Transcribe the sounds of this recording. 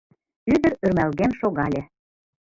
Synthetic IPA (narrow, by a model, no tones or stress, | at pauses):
yd̪ə̆ɾø̆rmælɣenʃoɣɑlʲĕ